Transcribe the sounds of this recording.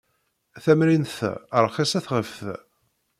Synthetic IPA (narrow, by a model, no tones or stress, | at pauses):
θæmɾinθəɾˤχisæθʁəfθ